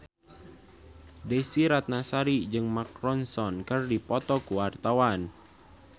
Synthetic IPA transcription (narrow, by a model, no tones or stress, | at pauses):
desiɾat̪̚nasaɾid͡ʒɨŋmakɾɔnsɔnkərdipɔt̪ɔkuwart̪awan